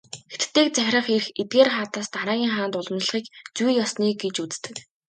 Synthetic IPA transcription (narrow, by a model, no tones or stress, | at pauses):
xet̪t̪ːeːk̚t͡sæxʲrə̆χerxet̪̚ɡeːrχaːt̪aːst̪aɾaːɣʲiːŋχaːnt̪ʊɮ̆mɮ̆χiːkt͡sujjɔsniːɡet͡ɕut͡st̪ɘ̆k